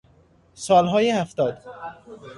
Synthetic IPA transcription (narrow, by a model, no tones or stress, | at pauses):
sɒːlɦɒːjehæft̪ɒːd̪̥